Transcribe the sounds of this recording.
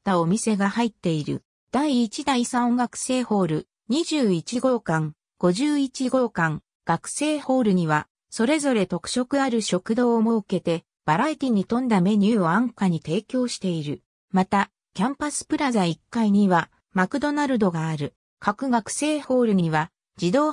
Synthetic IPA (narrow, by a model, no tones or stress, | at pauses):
t̪ːaomʲise̞ɡahait̪ːe̞iɾɯ̟̰ | d̪̥aiːt͡ɕid̪aisãõŋɡakɯ̟̥se̞ːho̞ːɾɯ̟ | ɲ̟iʑɨːit͡ɕiɡo̞ːkãŋ | ɡ̥o̞ʑɨːit͡ɕiɡo̞ːkãŋ | ɡ̥akɯ̟̥se̞ːho̞ːɾɯ̟ɲ̟iβa | so̞ɾe̞zo̞ɾe̞t̪o̞kɯ̟̥ɕo̞kɯ̟aɾɯ̟ɕo̞kɯ̟d̪o̞ːmo̞ɯ̟ke̞t̪e̞ | b̥aɾait̪ʲiɲ̟it̪õ̞nd̪ame̞ɲ̟ɯːo̞ãŋkaɲ̟it̪e̞ːkʲo̞ːɕi̥t̪e̞iɾɯ̟ | mat̪a | kʲãmpasɨ̥pɯ̟ɾazaikːaiɲ̟iβa | makɯ̟d̪o̞naɾɯ̟d̪o̞ɡaːɾɯ̟ | kʰakɯ̟ɡakɯ̥se̞ːho̞ːɾɯ̟ɲiɲiβa | d͡ʑid̪o̞ː